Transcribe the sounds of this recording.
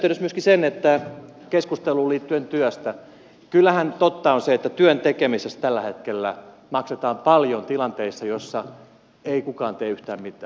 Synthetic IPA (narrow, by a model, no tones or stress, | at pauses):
t̪ːeynøsmyøskisenet̪ːæ | keskust̪eluːliːt̪ːyent̪yøst̪æ | kylːæhænt̪ot̪ːɑonseet̪ːæt̪yønt̪ekemisest̪ælːæhet̪kelːæ̰ | mɑkset̪ɑːmpɑljont̪ilɑnt̪eisːɑjosːɑ | eikukɑːnt̪eːyht̪æːmmit̪ˑæː